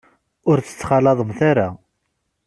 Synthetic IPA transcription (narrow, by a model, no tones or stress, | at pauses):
ʊɾt͡sːə̥t͡sːχɑlɑðˤəmθaɾa